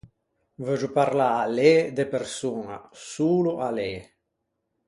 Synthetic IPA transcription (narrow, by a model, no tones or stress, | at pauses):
vød͡ʒupaɾlaːled̪epeɾsuːna̰suːluʔale